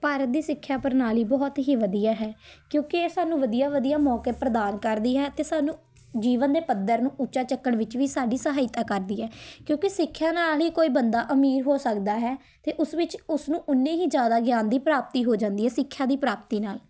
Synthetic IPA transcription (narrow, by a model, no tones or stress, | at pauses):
paːɾət̪̚d̪iːsɪkʰːjaːpəɾnaːliːbɔːt̪ɦiːʋəd̪iːjaːɦɛːkjõːkɪsaːnũːʋəd̪ijaːʋəd̪ijaːmɔːkeːpɾəd̪aːnkəɾd̪iːɦɛːt̪eːsaːnũː | d͡ʒiːʋənd̪eːpəd̪əɾnũːʔʊt͡ʃaːt͡ʃəkːəɽʋɪt͡ʃʋiːsaːɖiːsəɦaːɪt̪aːkəɾd̪iːɦɛːkjõːkɪsɪkʰːjaːnaːlɦiːkoːiːbənd̪aːʔəmiːɾɦoːsəkd̪aːɦɛː | t̪eːʔʊsʋɪt͡ʃʊsnũːʔʊnːẽːɦiːd͡ʒjaːd̪aːɡjaːnd̪iːpɾaːp̚t̪iːɦoːd͡ʒãːnd̪iːɦɛːsɪkʰːjaːd̪iːpɾaːp̚t̪iːnaːl